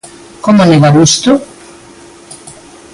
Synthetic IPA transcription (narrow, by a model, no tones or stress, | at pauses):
komaleβaβust̪o